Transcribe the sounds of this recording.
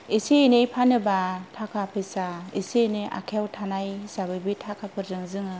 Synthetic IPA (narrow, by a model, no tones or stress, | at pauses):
esienejpʰanɯbatʰakʰapʰɯjsaesienɯʔa̰kʰjawtʰanajsabɯjbitʰakʰapʰɯɾzɯŋzɯŋɯ